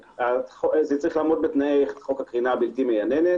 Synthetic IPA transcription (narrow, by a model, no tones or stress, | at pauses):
aχozet͡saʁiχlaːmo̞t̪̚bet̪naejχχo̞khakʁinaːbilt̪imejanenet